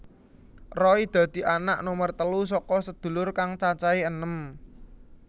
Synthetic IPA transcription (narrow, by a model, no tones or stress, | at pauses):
rɔid̪̥ä̤d̪̥i̤ʔanaʔnomərt̪əlusɔkɔsəd̪̥ṳlʊrkaŋt͡ʃat͡ʃaiənəm